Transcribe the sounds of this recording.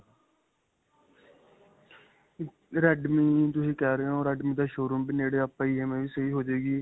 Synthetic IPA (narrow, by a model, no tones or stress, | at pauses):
ɾɛːɖmiːt̪ʊsĩːkɛːɾeːɦõːɾɛːɖmĩːd̪aːʃoːɾumbiːneːɽeːapːaːiːeːmẽːʋiːsəiːɦoːd͡ʒeːɡiː